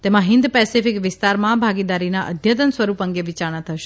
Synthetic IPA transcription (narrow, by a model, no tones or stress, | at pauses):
t̪emãɦɪnd̪pɛsifikʋɪst̪aɾmãbʱaɡid̪aɾinaʔə̰d̪ʱjət̪ənsʋəɾupəŋɡeʋit͡ʃaɾɳ̃ãt̪ʰəʃe̥